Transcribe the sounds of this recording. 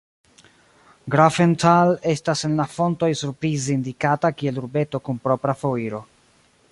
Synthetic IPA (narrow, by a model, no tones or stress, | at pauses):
ɡɾafentʰale̞stasenlafo̞nto̞jsuɾpɾizeindikatakie̞luɾbe̞to̞kunpɾo̞pɾafoiɾo̞